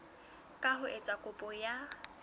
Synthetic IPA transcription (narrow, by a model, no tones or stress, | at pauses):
kʼaɦʊʔet͡sʼakʼʊpʼɔja